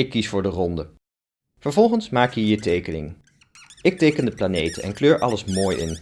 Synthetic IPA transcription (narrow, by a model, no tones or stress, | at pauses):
ɪkːisfʊːɹdərɔndə | v̥əɹvɔlˠχənsmaːkjəɦiːɹtejkənɪ̰ŋ | ɪk̚tejkəndəplanejtənɛ̰nkløːɹʔɑləsmoːjɪ̰n